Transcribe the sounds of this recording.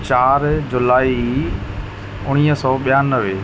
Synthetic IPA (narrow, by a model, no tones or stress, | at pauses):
t͡ɕaːɾd͡ʑʊlaːi | ʊɽ̃iːɦəsɔːɓjaːnəʋe